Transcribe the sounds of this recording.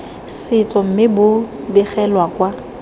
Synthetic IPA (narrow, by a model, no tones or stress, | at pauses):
sɪt͡sʼɔm̩mɪbʊ | bɪχɛlwakʼwa